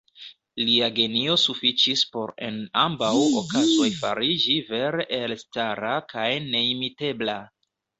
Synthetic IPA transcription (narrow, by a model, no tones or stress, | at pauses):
liaɡe̞nio̞sufit͡ʃispo̞ɾe̞̰nambawokazo̞jfa̰ɾid͡ʒive̞ɾeʔelstaɾakajne̞imite̞bla